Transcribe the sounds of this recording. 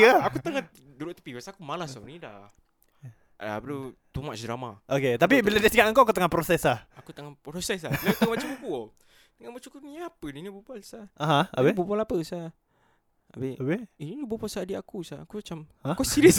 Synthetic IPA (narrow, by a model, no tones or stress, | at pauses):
aakut̪əŋa | duɾuʔt̪ə̥pibasakumalahsanidah | abəlot̪umaʔsɾamaʔoket̪ap̬ibiladasikaʔaŋkoak̬ut̪əŋapɾosɛsahakut̪əŋapɾosɛslabilakt̪əŋamat͡ʃamukuo | t̪əŋabot͡ʃukuniapəninibubualsaaɦãabebubalapəsa | a̰beabeininibopasadiakusaakumat͡ʃamhakosiɾəs